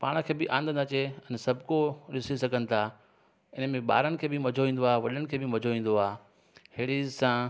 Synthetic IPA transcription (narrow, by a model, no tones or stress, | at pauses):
paːɽ̃ə̆kʰeːbɪʔãːnd̪ənɐt͡ɕeɛ̃nsɐbʱkoɗɪsisɐɡʱənɪ̆t̪ʰa | ɪnmẽɓa̰ːɾənɪ̆kʰeːbɪmɐd͡ʑʱoʋĩːn̆d̪oaːeʋɐɗənɪ̆kʰeːbɪmɐd͡ʑʱoʋĩːn̆d̪oaː | hɪːɽisã